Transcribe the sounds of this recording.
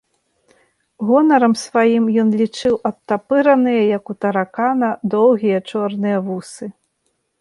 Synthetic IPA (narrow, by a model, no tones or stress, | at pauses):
ɣɔnɐɾɐmsvajimjɔnlʲit͡ʂɨwɐt̪ːapɨɾɐnɨjɐjɐkut̪ɐɾakanɐd̪ɔwɣʲijɐt͡ʂɔrnɨjɐvusɨ